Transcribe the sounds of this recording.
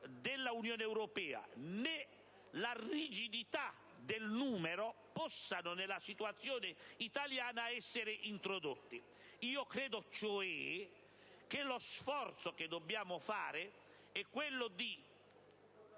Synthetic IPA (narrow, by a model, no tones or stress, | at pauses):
d̪ɪlːaunjoːneɛwɾɔpɛːa̰ne | larid͡ʒid̪it̪a | d̪ɪlnuːmeɾo | pɔsːanʊnelːasit̪uat̪sːjoːnɪit̪aljaːnaɛsːeɾɪʔint̪ɾod̪ot̪ːɪ | iːokɾɛːd̪ot͡ʃoɛ | k̟elosfɔrt̪soked̪ːobːjaːmʊfaːɾɪ | ɛkːwelːod̪i